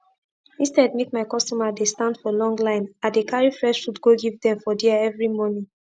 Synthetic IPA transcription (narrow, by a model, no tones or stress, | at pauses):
ĩnstɛdmek̚maɪkɔstɔmadestãndfɔlɔ̃ŋɡlãɪ̃nãdekaɹifɹɛʃfutɡoɡivdɛ̃mfɔdiaɛvɹimɔnĩ